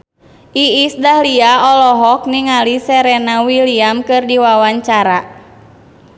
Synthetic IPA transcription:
ʔiisdahliaɔlɔɦɔk̚niŋalisɛɾɛnawiliamkɨrdiwawaɲt͡ʃaɾa

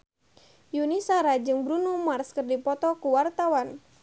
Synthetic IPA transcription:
junisaɾad͡ʒɨŋbɾunumarskɨrdipɔt̪ɔkuwart̪awan

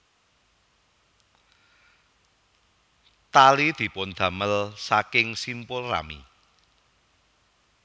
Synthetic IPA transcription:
t̪alid̪̥i̤pʊnd̪̥ä̤məlsakɪŋsimpʊlra̰mḭ

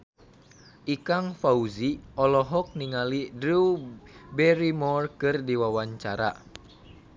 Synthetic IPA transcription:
ʔikaŋfauziɔlɔɦɔk̚niŋalidɾuwbɛɾimɔrkɨrdiwawaɲt͡ʃaɾa̰

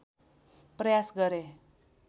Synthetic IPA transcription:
prʌjasɡʌɾe

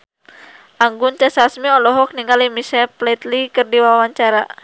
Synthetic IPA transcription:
ʔaŋɡunt͡ʃɛsasmiɔlɔɦɔk̚niŋɡalimisɛplɛt̪likɨrdiwawaɲt͡ʃaɾa

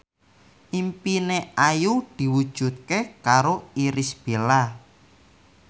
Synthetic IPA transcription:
ʔimpineajud̪̥i̤wud̥ʒ̥ṳt̪̚kekaɾoiɾisb̥e̤la

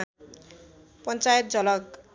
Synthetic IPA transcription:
pʌnt͡sajʌt̪̚d͡zʌlʌk

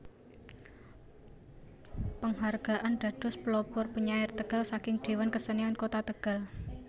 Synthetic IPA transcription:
pəŋɦarɡ̥a̤ʔanɖ̪̥a̤d̪̥ɔ̤splɔpɔrpuɲaɪrt̪əɡ̥a̤lsakɪŋɖ̪̥e̤wankəsəniankot̪at̪əɡ̥a̤l

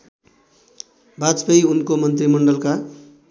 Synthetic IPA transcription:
bad͡zpʌjunkomʌnt̪rimʌɳɖʌlka

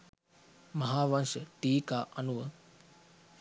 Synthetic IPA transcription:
mɐɦaːʋanʃəʈiːkaːʔɐnuʋə

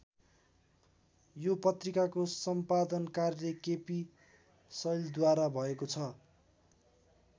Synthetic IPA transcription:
jopʌt̪rikakosʌmpad̪ʌnkarlekepi | sʌjld̪waɾabʱʌekot͡sʰʌ

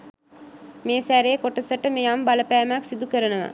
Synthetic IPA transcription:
meːsæɾeːkoʈəsəʈəmejambaləpæːmaksid̪ukəɾənəʋa̰

